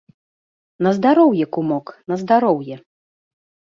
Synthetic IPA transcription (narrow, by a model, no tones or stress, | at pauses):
nɐzd̪aɾɔwjɛkumɔknɐzd̪aɾɔwjɛ